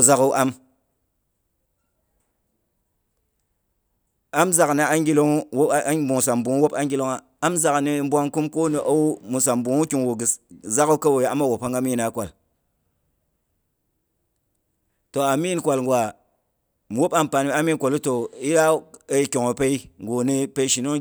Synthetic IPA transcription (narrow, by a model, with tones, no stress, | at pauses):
za˦ku˦ʔa˦m | a˦mza˨kni˨a˦ŋɡi˦lo˦ŋ˦wbu˨ŋ˨sa˨mbu˨ŋ˦wo˦pa˦ŋɡi˦lo˦ŋa˨ | a˦mza˨kni˦m˦bʷa˦ŋku˦mko˦ni˨ʔo˦wmu˨s̬a˨mbu˨ŋu˦ki˨ŋwo˨ɡi˨sza˦ko˦ka˦wo˨ja˨a˦ma˦wo˨pa˦ŋɡa˦mi˦˨na˨kʷa˨l | to˨a˨mi˦n˨kʷa˨lŋɡʷwa˨ | wo˦pa˦mpa˨n˦i˦a˦mi˦n˦kʷo˨lu˦to˨i˦da˦e˦kʲo˨ŋo˨pe˦i˦ŋɡo˨ni˦pe˦ʃi˨no˦ŋ